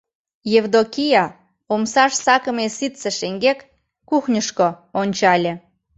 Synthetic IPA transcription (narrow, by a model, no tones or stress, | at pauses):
jevd̪okʲijɑ | omsɑʃsɑkə̆mesit̪sĕʃeŋɡekː | uxnʲəʃko | onʲt͡ɕɑlʲĕ